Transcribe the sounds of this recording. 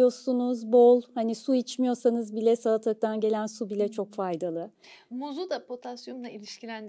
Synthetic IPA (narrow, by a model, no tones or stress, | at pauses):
jo̞sunuzbolˠhanisuit͡ʃmijo̞sanɯzbilʲɛsalˠat̪ʰaɯk̚t̪ʰanɟe̞lʲænsubilʲɛt͡ʃʰo̞kfajd̪alˠɯ | muzud̪apʰo̞t̪ʰasjond̪ˠailʲiʃcʰilʲænd̪